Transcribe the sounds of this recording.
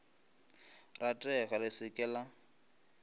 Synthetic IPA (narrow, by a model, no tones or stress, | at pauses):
ratʼɛɣalɪsɪkʼɛla